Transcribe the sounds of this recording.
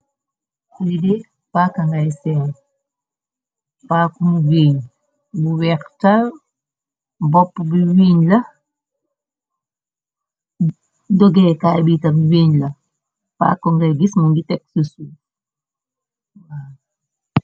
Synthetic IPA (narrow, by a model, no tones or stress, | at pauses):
ide | pakaŋɡaisɛŋ | paːkumuwiːɲ | buwɛktal | bɔpːbiwiːɲlɐ | dɔɡɛkabitabiwiɲlɐ | pa̰kɔŋɡaɡismuŋɡitɛk̚susu | wa